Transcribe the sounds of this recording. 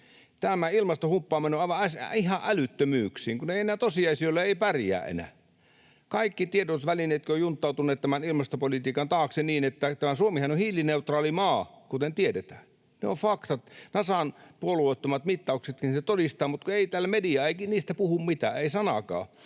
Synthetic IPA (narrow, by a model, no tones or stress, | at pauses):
t̪æmæilmɑst̪ohumpːɑːmenoɑˑʋɑɑsihɑʔʔælyt̪ːømyːksiːŋkuneienæːt̪osiɑisiolːeeˑipærjæ̰ːʔḛnæ̰ˑ | kɑikːit̪iedot̪ʋælineːt̪køojunt̪ːˑɑˑut̪uneːt̪t̪æmænilmɑst̪opolit̪iːkɑnt̪ɑːkseniːnet̪ːæt̪æmæsuomihɑnohiːlineut̪rɑːlimɑːkut̪ent̪ietet̪æ̥ː | neofɑkt̪ɑt̪nɑsɑnpuoluoˑit̪ːomɑt̪mit̪ːɑukset̪kinset̪odist̪ɑːmut̪kueˑit̪æːlmediɑːeˑikiniːst̪æpuhummit̪æ̰ːeisɑnɑ̰kɑ̰ː